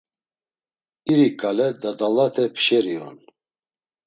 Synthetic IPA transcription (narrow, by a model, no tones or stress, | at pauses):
iɾikʼalɛd̪ad̪alat̪ʰɛpʰʃɛɾiɔ̰n